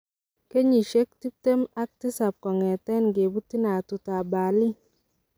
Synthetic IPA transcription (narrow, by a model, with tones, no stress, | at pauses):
ke˦ɲi˨ʃe˦k̚ti˦p̚te˦ma˦k̚ti˦sa˨p̚kɔ˨ŋɛ˨tɛ˦nɡe˨bu˦ti˦na˨tu˨ta˨ba˨li˦